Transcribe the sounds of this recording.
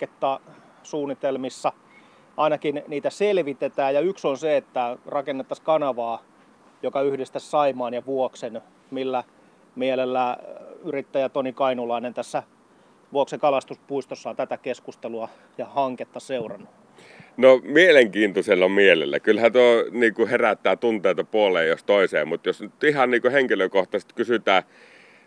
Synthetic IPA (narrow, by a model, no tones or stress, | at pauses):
ket̪ːɑ | suːnːit̪elmisːɑ | ʔɑinɑkinniːt̪æselʋit̪et̪æːjɑyksonseet̪ːærɑkenːet̪ːɑskɑnɑʋɑː | jokɑyhdest̪æssɑimɑːnjɑʋuoksen | milːæ | mielelːæyrit̪ːæjæt̪onikɑinulɑinent̪æsːæ | ʋuoksekɑlɑst̪uspuist̪osːɑnt̪æt̪ækeskust̪eluɑ | jɑhɑŋket̪ːɑseurɑnːu | nomieleŋkiːnt̪oselːɑmielḛlːæ̰kylhæt̪oniːkuheræt̪ːˑæːt̪unt̪eˑit̪ɑpuoleːjjost̪oˑisḛːmmut̪josnyt̪ihɑnniːkuheŋkiløkoht̪ɑse̥st̪kysyt̪æː